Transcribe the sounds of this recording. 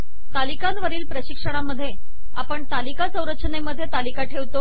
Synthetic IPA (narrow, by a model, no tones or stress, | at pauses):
t̪alikanʋəɾiːlpɾəɕikʂəɽ̃aməd̪ʱːje | apəɳt̪alikat͡sə̃w̃ɾətːt͡ɕəneməd̪ʱːjet̪alikaʈʰeʋt̪o